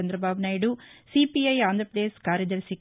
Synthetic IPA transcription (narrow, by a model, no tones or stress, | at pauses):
ɐnd̪ɾɐbʱaːʋnaːjɖusipiɐjaːnd̪ʱɾɐpɾɐd̪eːskaːɾjɐd̪ɐɾsik